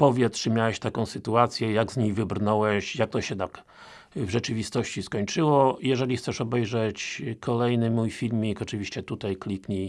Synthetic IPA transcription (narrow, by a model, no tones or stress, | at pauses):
pɔvʲjɛt̪ʂɘmʲjawɛɕt̪akɔ̃w̃sɘt̪uat̪sʲjɛjaɡzɲejvɘbɾnɔwɛɕjak̚t̪ɔɕɛd̪ak | vʐɛt͡ʂɘvʲist̪ɔɕt͡ɕiskɔɲt͡ʂɘwɔjɛʐɛlʲixt̪sɛʂɔbɛjʐɛt͡ɕkʰɔlɛjnɘmujfʲilmʲikɔt͡ʂɘvʲiɕt͡ɕɛt̪ut̪ajklʲikɲi